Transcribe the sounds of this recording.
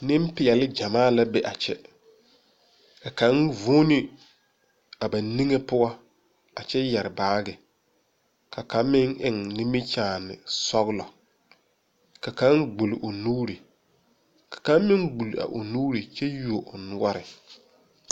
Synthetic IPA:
nɪ˦m˦pɪ˨jɛ˨lɪ˦d͡ʒa˨maː˦la˦bɛ˨ʔa˨t͡ʃɛ˦ | ka˨ka˨˦nvu˦nɪ˦ | a˨ba˨ni˦ŋe˦pʊ˦ɔ˦ | a˨t͡ʃɛ˦jɛ˨ɾɪ˨baː˦ɡɪ˨ | kʰa˨ka˨˦m˦mːɪ˦ŋʔɪ˨ŋnɪ˦mi˦t͡ʃaː˦˨nɪ̰˨sɔ˦ɣlɔ˨ | ka˨ka˦nɡ͡bu˨lʔʊ˨nuː˦ɾi˨ | kḁ˨ka˦m˦mɪ˦ŋɡ͡bu˨la̰˨ʔo̰˨nuː˦ɾi˨t͡ʃɛ˦ju˨o˨ʔʊ˨nʊ˦ɔ˦ɾɪ˨

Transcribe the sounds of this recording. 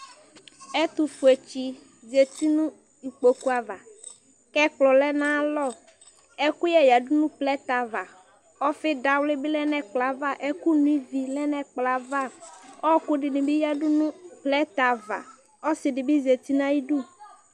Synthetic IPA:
ɛ˦t̪u˨fu˨e˨t͡ʃi˦ | ze˨t̪i˦nũ˦ | i˨k͡po˨ku˦a˨va˨ | kɛ˦k͡plɔ˨lɛ˦nã˦lɔ˦˨ | ɛ˦ku˦jɛ˦ja˨dʊ˦nũ˦plɛ˦t̪a˨va˨ | ɔ˦fɪ˦da˨wlɪ˦bɪ˦lɛ˦nɛ̃˨k͡pla˨va˦˨ʔɛ˦ku˦nũ˦i˦vi˨lɛ˦nɛ̃˨k͡pla˨va˦ɔ˦kʊ˦ɖɪ˨nĩ˨bɪ˦ja˦du˦nũ˦plɛ˦t̪a˨va̰˨ | ɔ˦sɪ˨dɪ˨bɪ˦ze˨t̪i˦nã˦ji˦ɖu˦

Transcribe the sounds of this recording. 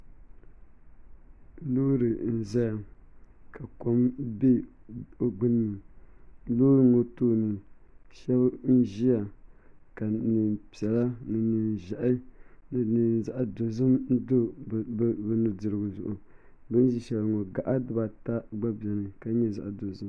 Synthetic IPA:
loː˦ɾɨ˨n̩˨za˦ja˨ | ka˨ko˦mbe˦o˨ɡ͡bɨ˦nɨ˨m˨loː˦ɾɨ˨ŋo˨toː˦nɨ˨ʃɛ˦bn̩˦ʒi˦a˨ka˨nɨ˨mpi˨ɛ˨la˦nɨ˨nɨ˨n˨ʒa˨ʔɪ˦nɨ˨nɨ˨n˨za˦ʔa˨do˨zɨ˦mn̩˦do˦˨ | bɨ˨nɨ˨dɨ˨ɾɨ˨ɡʊ˨zʊ˨ʔʊ˨ | bɨ˦n˦ʒi˨ʃɛ˨lŋo˨ɡa˨ʔa˦dɨ˦ba˨ta˦ɡ͡ba˦bi˨ɛ˨nɨ˨ka˦ɲɛ˦za̰˨ʔa˨do˨zɨ˦m

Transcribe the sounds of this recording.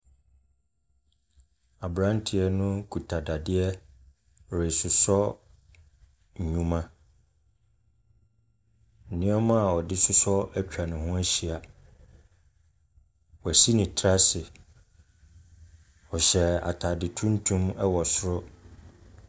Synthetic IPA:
a˨bɾã˦n˦tʰɪ˨ɛ˦nʊ̃˦kʰu˨tʰa˨da˨dɪ˦ɛ˦ | ɾe˨sʊ˨sɔ˦ | ɲ̩˨ɲũ˦mã˦ | n̩˨nɪ̃˦ɔ˦mã˦˨ɔ˨dɪ˦sʊ˦sɔ˦æ˦t͡ɕᶣa˨nʊ̃˨hʊ̃˦æ˦ɕi˨a˨ | wɔ˨æ˨si˦nĩ˨tʰɾa˦sɪ˨ | ɔ˨ɕɛ˨a̰˨tʰa˨dɪ˨tʰũ˦n̩˦tʰũ˦mɛ˦wɔ˨sʊ˦ɾʊ˦

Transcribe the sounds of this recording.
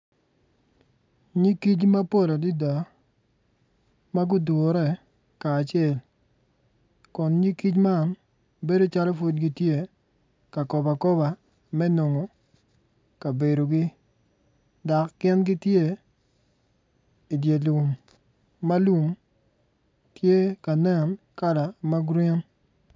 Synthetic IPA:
ɲi˦ki˦t͡ʃma˦po˦˨la˨di˦da˨ | ma˦ɡʊ˦do˨˦ɾɛ˦˨ | kaː˨t͡ʃɪɛ˦˨l | kɔ˨nɲi˦ki˦t͡ʃma˦˨n | be˦do˦t͡ʃa˦lɔ˦fo˦d̚ɡi˦tje˦ | ka˨kɔ˨ba˨kɔ˦ba˨ | mɛ˦no˨ŋo˨ | ka˨be˨ɾo˨ɡɪ˦ | da˨kːɪ˦nɡɪ˦tje˦˨ | i˨dje˨lu˨mː | a˦lu˨m | tje˦ka˨nɛ˦˨n | ka˦da˨ma˦ɡɾɪ˦n

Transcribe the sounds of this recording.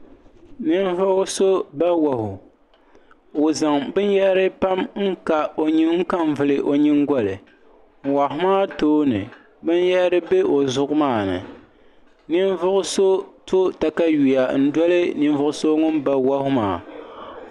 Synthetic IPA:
nɨ˦n˦vʊ˦ʔʊ˦so˦ba˦wa˨hʊ˨ | o˨za˨ŋbɨ˦n˦jɛ˦ɾɨ˦pa˦mŋ̩˦ka˨o˨ɲi˦ŋ̩˦ka˦m˦vɨ˨lɨ˨ʔo˨ɲi˦ŋɡʷɔ˨lɨ˨ | ŋ̩˨wa˨ɦʊ˦maː˦toː˦nɨ˨ | bɨ˦n˦jɛ˦ʔɾɨ˦be˦ʔo˨zʊ˦ʔʊ˦maː˦˨nɨ̰˨ | nɨ˦n˦vʊ˦ʔʊ˦so˦to˦ta˨ka˦ju˨ja˨n̩˦dwɔ˦lɨ˦nɨ˦n˦vʊ˦ʔʊ˦so˦ŋʊ˦nba˦wa˦hʊ˦ma̰ː˨

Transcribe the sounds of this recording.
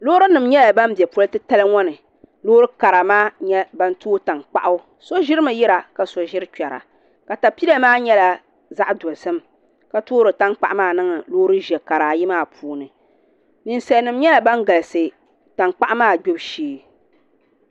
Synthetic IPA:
loː˦ɾɨ˦nɨ˨mɲɛ˦la˨ba˦m˦bɛ˨pʊ˦lɨ˦tɨ˦ta˦lɨ˦ŋɔ˦nɨ˨ | lo˦ɾɨ˦ka˨ɾa˨maː˦ɲɛ˦ba˦n˦toː˦ta˨ŋk͡pa̰˦ʔa˦ | so˦ʒɪ˦ɾɨ˦mɨ˨ji˦ɾa˨ka˨so˨ʒɪ˦ɾɨ˦t͡ʃᶣɛ˨ɾa̰˨ | ka˨ta˨pi˦la˦maː˦ɲɛ˦la˨ | za˦ʔdo˨lsɨ˦m | ka˦toː˦ɾɨ˨ta˦ŋk͡pa˦ʔmaː˦˨nɨ˦ŋɨ˨loː˦ɾɨ˦ʒɛ˨ka˨ɾa˨ji˦maː˦˨pʰuː˦nɨ˨ | nɨ˨nsɛ˨˦nɨ˨mɲɛ˦la˨ba˦ŋɡa˨lɨ˨sɨ˨ | ta˨ŋk͡pa˦ʔmaː˦˨ɡ͡bo˦bʃiː˦

